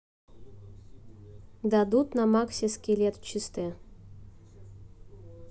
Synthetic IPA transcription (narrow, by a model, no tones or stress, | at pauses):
d̪ad̪ut̪namaksʲiskʲelʲet̪t͡ɕist̪ɛ